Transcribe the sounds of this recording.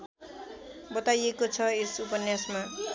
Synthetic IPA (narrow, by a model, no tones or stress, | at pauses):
bʌt̪ajekot͡sʰʌesupʌnjasma